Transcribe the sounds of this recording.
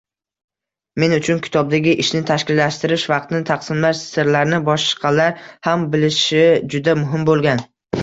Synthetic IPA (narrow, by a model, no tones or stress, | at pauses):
me̞nʊt͡ʃʰʊnkʲʰɪ̥t̪ʰɒb̚d̪aɡʲɪʔɪʃnɪt̪ʰaʃkʲɪlːaʃt̪ɪɾɪʃvɑq̚t̪ʰɪnɪt̪ʰaqsɪnlaʃsɪɾlaɾnɪbɒʃqʰɑlaɾhambɪlɪʃɪd͡ʒʊd̪amʊɦɪmbolˠɡʲan